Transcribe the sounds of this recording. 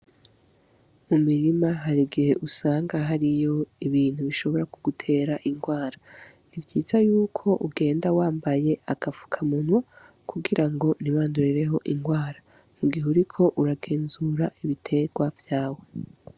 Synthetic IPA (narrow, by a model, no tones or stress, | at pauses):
mumiɾimaɦaɾiɡihe̞ʔusaːŋɡaɦaɾijo̞iβiːn̥huβiʃo̞βo̞ɾakuɡutʰe̞ːɾaʔiŋɡwaːɾa | nivjiːzajuːkʰo̞ʔuɡe̞ːndawaːmbaje̞aɡavu̥kʰamunwa | kʰuɡiɾaŋɡo̞niβaːnduɾiɾe̞ɦo̞ʔiŋɡwaːɾa | muɡiɦuɾikʰo̞ʔuɾaɡe̞ːnzuɾaʔiβitʰe̞ɡwavjaːwe̞